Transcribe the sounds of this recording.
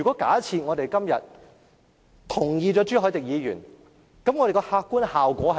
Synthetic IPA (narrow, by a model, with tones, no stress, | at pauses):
y˨˩kʷɔː˨˥kaː˨˥t͡sʰiː˨t̚ŋɔː˨˧t̪e˨jkɐ˥mjɐ̰˨t̚ | t̪ʰʊ˨˩ŋjiː˧t͡ʃɔː˨˥t͡ʃyː˥ɦɔː˨˥jt̪ɪ˨k̚jiː˨˧jy̰ː˨˩n | kɐ˨˥mŋɔː˨˧ɾe˨kɔ˧haː˧kːuː˥nhaː˨wkʷɔː˨˥hɐ˨